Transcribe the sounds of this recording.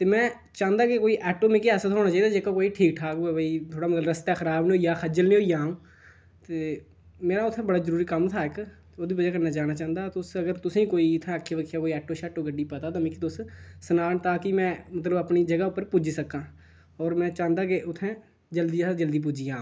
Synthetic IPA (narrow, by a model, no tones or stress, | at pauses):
t̪eːmɛ̃ː | t͡ʃãːnd̪aːkekoːiːʔɛːʈoːmɪ̃kiɛːsət̪ɦoːnaːt͡ʃaːiːd̪aːd͡ʒeːkaːkoːiːʈʰiːk̚ʈʰaːkːebəiːt̪ʰoːɽaːmət̪ləbɾəst̪aːxəɾaːbnːoːiːjaːxʰəd͡ʒəlnĩːɦoːiãː | t̪eː | meːɾaːʊt̪ʰːɛ̃ːbəɽaːzəɾuːɾiːkəmt̪ʰaːɪk̪ | oːd̪iːbəd͡ʒaːkəɾnaːt͡ʃaːnaːt͡ʃãːə̃nd̪aːt̪ʊsəɡəɾt̪ʊsĩːkoːiːɪt̪ʰːɛ̃kʰːeːʋəkʰjaːkoːiɛːʈoːʃɛːʈoːɡəɖiːpət̪aːt̪ãːmɪ̃kit̪ʊssənaːnt̪aːkɪmɛ̃ːmət̪̬ləbəpniːd͡ʒəɡaːʊpːəɾpʊd͡ʒiːsəkːãː | ɔːɾmɛ̃ːt͡ʃãːnd̪aːkeʊt̪ʰːɛ̃ː | d͡ʒəld̪iːad͡ʒəld̪iːp̬ʊd͡ʒiːãː